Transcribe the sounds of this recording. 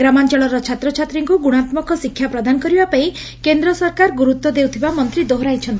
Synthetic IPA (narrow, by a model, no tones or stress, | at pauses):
ɡɾamant͡ʃɔɭɔɾɔt͡ʃʰat̪ɾɔt͡ʃʰat̪ɾiŋkuɡuɽ̃at̪mɔkɔsikʰːjapɾɔd̪anɔkɔɾibapaĩ | kend̪ɾɔsɔɾkaɾɡuɾut̪wɔd̪ewt̪ʰibamɔnt̪ɾid̪oɦɾajt͡ʃʰɔnt̪i